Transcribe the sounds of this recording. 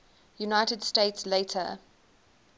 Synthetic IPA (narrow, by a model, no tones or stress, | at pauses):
junaɪtədsteɪtsletʰə̰